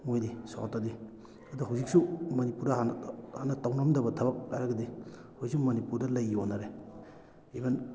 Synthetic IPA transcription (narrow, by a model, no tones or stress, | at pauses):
ŋojdiso̰tadi | ɐduɦawzik̚sumɐnipuɾdɐnhanɐtawnɐmdɐbɐdʰʱɐbɐk̚la̰jɾɐɡɐdi | hoksumɐnipuɾdɐlajonːaɾe | eban